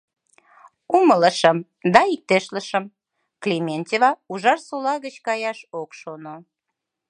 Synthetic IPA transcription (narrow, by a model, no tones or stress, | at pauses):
umələʃəm | d̪ɑik̚t̪eʃləʃəm | klʲimʲenʲt̪ʲevɑuʒɑrsolɑɣət͡ɕkɑjɑʃokʃono